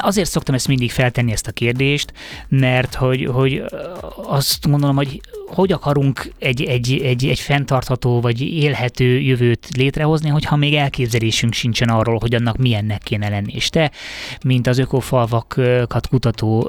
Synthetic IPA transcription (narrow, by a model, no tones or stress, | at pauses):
ɒzeːrt̪so̞kt̪ɒmɛst̪mind̪ikfɛlt̪ɛnːiɛst̪ɒkeːrd̪eːʃt̪mɛrt̪ho̞ɟho̞ɟ | ɒst̪ɡond̪o̞lomho̞ɟho̞ɟɒkɒɾuŋkɛɟɛɟɛɟɛɟfɛnt̪ɒrt̪hɒt̪oːvɒɟeːlɦɛt̪øːjøvøːt̪leːt̪rɛɦo̞zniɦo̞chɒmeːɡɛlkeːbzɛleːʃyŋkʃint͡ʃɛnɒrːoːlɦo̞ɟɒnːɒkmiɛnːɛkːeːnɛlɛnːiḛːʃt̪ɛmint̪ɒzøkofɒlvɒkkɒt̪kut̪ɒt̪oː